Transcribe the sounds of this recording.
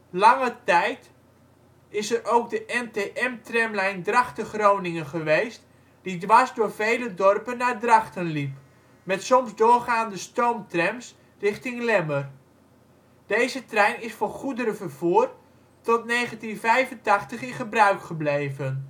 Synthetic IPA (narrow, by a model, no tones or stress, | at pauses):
lɑŋətɛjt | ɪsəɾʔowɡ̚dəʔɛnteʔɛmtrɛmlɛjndrɑχtəχrownɪŋənχəʋejst | d̥idʋazdʊːɹvejlədɔrpənːaːɹdrɑχtənlip | mɛtsɔmzdʊːrχaːndəstowmtrɛms | rɪχtɪŋlɛmər | d̥ejzətrɛjnɪsfɔnχudəɾəvərv̥uːr | tɔtnejχəntinvɛjvəntɑχtəχɪ̃nχəbrœɥkχəblejvən